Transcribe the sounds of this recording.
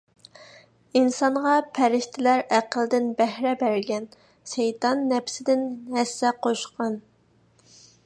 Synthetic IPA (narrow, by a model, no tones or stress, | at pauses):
insɑɴʁɑpʰæɾɪʃt̪ʰɪlæɾæqəlˠd̪ɪnbɛhɾɛbæɾɡʲɛn | ʃejt̪ɑnːɛpʰsɪd̪ɪnɦɛsːɛqʰoʃqɑn